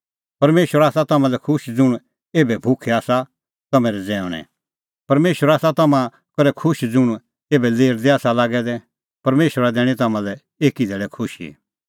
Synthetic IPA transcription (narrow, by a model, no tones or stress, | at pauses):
pɐɾmeːʃəɾaːsat̪ɐmãlɛkʰʊʃd͡zʊɽ̃ | eːbɛbʱʊkʰɛaːsa | t̪ɐmɛ̃ɾɛd͡zɛ̃ːʊ̃ɽ̃ɛ̰̃ | pɐɾmeːʃəɾaːsat̪ɐmã | kɐɾɛkʰʊʃd͡zʊɽ̃ | eːbɛleːɾd̪ɛaːsalaːɡɛd̪ɛ | pɐɾmeːʃwəɾad̪ɛːɽ̃ĩt̪ɐmãlɛ | eːkid̪ɛːɭɛkʰʊʃḭ